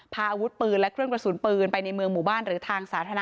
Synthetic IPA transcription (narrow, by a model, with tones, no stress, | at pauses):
pʰaː˧ʔaː˧wu˦˥t̪̚pɯː˧nlɛ˦˥kʰɾɯ˥˩ənpɾa˧˩su˩˦npɯː˧npa˧jna˧jmɯ˧əŋmuː˨˩baː˥˩nɾɯː˩˦t̪ʰaː˧ŋsaː˩˦t̪ʰaː˧na˦